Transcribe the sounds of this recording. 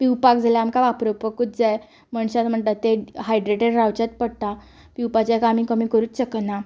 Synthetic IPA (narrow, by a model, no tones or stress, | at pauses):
piwpak̚d͡zʱaljaamkaʋapɾopəkut̪̚d͡zaj | məɳɕat̪m̤əɳʈ̪at̪eɦajɖɾeʈeɖɾawt͡ɕat̪̚pəɽt̪a | piwpat͡ɕakaːm̤iːkəmiːkəɾuːt͡sɕəknːa